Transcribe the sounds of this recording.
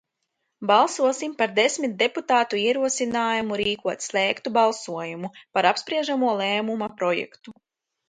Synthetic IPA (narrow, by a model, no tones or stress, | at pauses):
balˠsuɔsimpaɾd̪esmit̪̚d̪e̞put̪aːt̪uiɛɾuɔsinaːjumuɾiːkuɔt̪slɛːkt̪ubalˠsuɔjumupaɾapspɾiɛʒamuɔlˠɛːmumapɾɔjɛ̰kt̪u